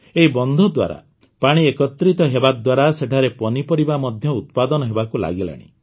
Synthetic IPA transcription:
eɦibɔnd̪ʱɔd̪wa̰ɾa̰ | paɽ̃iekɔt̪ɾit̪ɔɦebad̪waɾaseʈʰaɾepɔnipɔɾibamɔd̪ʱjɔut̪̚pad̪ɔnɔɦebakula̰ɡila̰ɽ̃ḭ

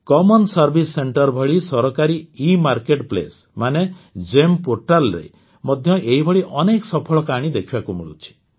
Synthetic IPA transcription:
kɔmɔnsɔɾbʱisːeɳʈɔɾbʱɔɭisɔɾɔkaɾiimaɾkeʈplḛs | maned͡ʒempoɾʈalɾḛ | mɔd̪ʱjɔʔeɦibʱɔɭiʔɔneksɔpʰɔɭɔkaɽ̃id̪ekʰibakumḭɭṵt͡ʃʰi̥

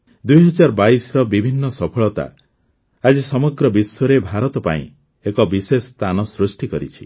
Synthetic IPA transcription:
d̪ujɦɔd͡ʒaɾɔbaisɔɾɔbibʱinːɔsɔpʰɔɭɔt̪a̰ | ad͡ʒisɔmɔɡɾɔbiswɔɾebʱaɾɔt̪ɔpa̰ḭ̃ | ekɔbisest̪ʰanɔsɾusʈikɔɾit͡ʃʰi̥

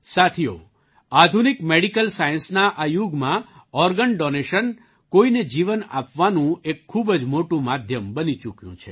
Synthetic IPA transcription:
sat̪ʰijo̰ | ad̪ʱunikmeɽikəlsajənsnaʔajuɡmãɔɾɡəɳɖɔneʃən | koined͡ʒiʋəna̰pʋanũekʰːubəd͡ʒmoʈũmad̪ʱjəmbənit͡ʃukjṵ̃t͡ʃʰe

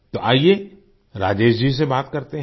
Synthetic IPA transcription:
t̪oʔaːie | ɾaːd͡ʒeːʃd͡ʒis̬ebaːt̪kɐɾt̪eɦ

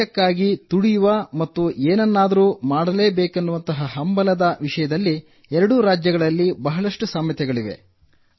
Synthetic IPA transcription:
ɐkːaːɡit̪uɽijuʋɐmɐt̪ːuʔeːnɐnːaːd̪ɐɾuːmaːɽɐle̞ːbeːkɐnːuʋɐnt̪ɐɦɐɦɐmbɐlɐd̪ɐʋiʂɐjɐd̪ɐlːi | ɛɾɐɽuɾaːd͡ʒjɐɡɐɭɐlːibɐɦɐlɐʂʈusaːmjɐt̪ɛɡɐɭiʋḛ

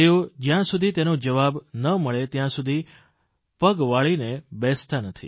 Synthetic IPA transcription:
jod͡ʒjãsud̪ʱit̪enod͡ʒəʋabnəməɭet̪jãsud̪ʱi | pəɡʋaɭinebɛst̪anət̪ʰḭ

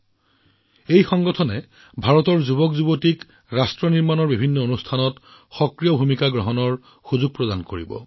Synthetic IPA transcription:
ejxɔŋɡɔtʰɔnɛ | bʱaɹɔtɔɹzuβɔkzubotik | ɹastɹɔniɹmanɔɹbibʱinːɔonustʰanɔt | xɔkɹijɔbʱumikaɡɹɔɦɔnɔɹ | xuzuɡ̚pɹɔdankoɹḭbɔ̰

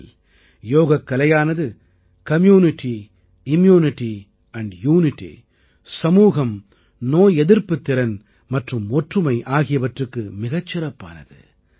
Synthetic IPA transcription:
l | joːɣɐkːɐlɐjaːnɐðɯ | kɐmjuːnɪʈːi | ɪmjuːnɪʈːi | ɐɳɖjuːnɪʈːḭ | sɐmuːɣɐm | noːjɛðɪɾpɯt̪ːɪɾɐn | mɐʈrɯmɔʈrɯmɐɪʔaːɣɪjɐʋɐʈrɯkːɯmɪɣɐt͡ʃːɪɾɐpːa̰ːnɐ̰ðɯ̰

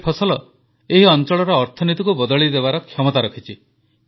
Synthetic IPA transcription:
pʰɔsɔlɔ | eɦiɔnt͡ʃɔɭɔɾɔːɾt̪ʰɔnit̪ikubɔd̪ɔɭid̪ebaɾɔkʰːjɔmɔt̪aɾɔkʰit͡ʃi

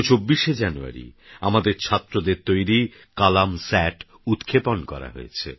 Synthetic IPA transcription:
t͡ɕobːiʃed͡ʑanua̰ɾḭamad̪eɾt͡ɕʰat̪ːɾod̪eɾt̪ojɾi | kalamsɛʈ | ut̪kʰeponkɔ̰ɾa̰ɦo̰jet͡ɕʰḛ

